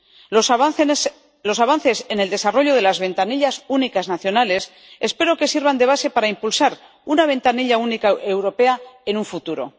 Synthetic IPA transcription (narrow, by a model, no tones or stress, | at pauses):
o | lo̞saβanθe̞se̞ne̞ld̪e̞saro̞ʎo̞ð̞e̞lazβe̞nt̪aniʎasunikaznaθjo̞nale̞s | e̞spe̞ɾo̞ke̞siɾβand̪e̞β̞ase̞paɾaimpulsaɾ | unaβ̞ẽ̞nt̪aniʎaunikaʔewɾo̞pe̞ae̞nuɱfut̪uɾo̞̰